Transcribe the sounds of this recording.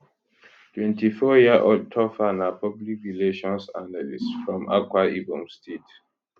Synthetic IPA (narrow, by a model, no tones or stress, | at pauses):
tʰwɛ̃ntifɔjiaʔod̚tʰɔfanapɔblikɹileʃɔ̃nsanalisfɹɔ̃ma̰kwaibɔ̃mstʰet